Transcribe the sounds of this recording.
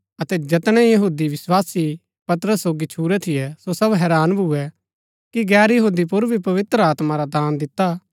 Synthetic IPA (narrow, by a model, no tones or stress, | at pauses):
ɐt̪ɛd͡ʒɐt̪ɽ̃ɛ̃jɐɦuːd̪iʋɪswaːsi | pɐt̪ɾəsːoːɡit͡ʃʰuːɾɛt̪ʰɪjɛsosɐbɦɛːɾaːnbʱuɛ | kiɡɛːɾjɐɦuːd̪ipʊɾbʱipɐʋɪt̪ɾəaːt̪maɾad̪aːnd̪ɪt̪ːa